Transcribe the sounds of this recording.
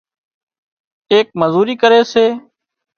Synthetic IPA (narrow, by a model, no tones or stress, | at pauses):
eːk̚məzuːɾiːkəɾeːseː